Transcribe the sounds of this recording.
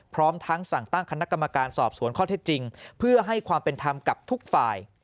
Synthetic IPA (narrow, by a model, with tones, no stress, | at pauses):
pʰɾɔː˦˥mt̪ʰa˦˥ŋsa˨˩ŋt̪a˥˩ŋkʰa˧na˦˥ka˧mːa˧kaː˧nsɔː˨˩p̚su˩˦nkʰɔː˥˩e˦˥t̪̚t͡ɕi˧ŋpʰɯ˥˩ɐɦa˥˩jkʰwaː˧mpe˧nt̪ʰa˧mka˨˩p̚t̪ʰu˦˥k̚faː˨˩j